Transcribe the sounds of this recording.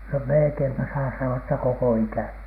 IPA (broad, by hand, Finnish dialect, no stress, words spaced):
no melĕkeimpæ sɑː sɑnoɑ etːæ koko ikæˑni